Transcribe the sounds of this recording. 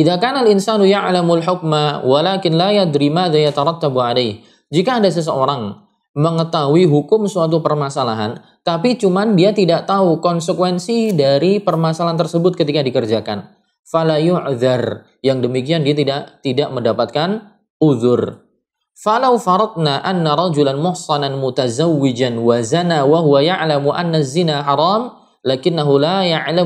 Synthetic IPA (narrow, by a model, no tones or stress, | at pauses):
ʔiðakanalɪnsanujaʕlamalħʊk̚mawalakɪnlajad̪ɾimaðajat̪aɾˤɑt̪ːabuʕalajh | d͡ʒikaːdas̬əs̬əoɾaŋ | məŋət̪aɦuiɦukʊmsuat̪̬upərmasalaɦa̰n | t̪apit͡ʃumandiat̪idaʔt̪aukɔnsəkwɛnsidaɾipərmasalaɦant̪ərsəbʊt̪̚kət̪ikadikərd͡ʒakan | falajʊʕðar | jaŋdəmikiandiat̪idaʔt̪idaʔməndapat̪̚kan | ʔuðʊr | falawfɑɾˤɑd̪̚naʔanːaɾˤɑd͡ʒulanmʊhsɑnanmut̪azawːɪd͡ʒanwazanawaɦuwajaʕlamuʔanːazinaħɑɾˤɑːm | lakɪnːaɦulajaʕla